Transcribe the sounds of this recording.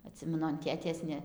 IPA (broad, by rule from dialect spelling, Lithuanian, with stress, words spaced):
ɐˈtʲsʲɪmʲɛnʊ ɐn ˈtʲeːtʲeːs nʲɛ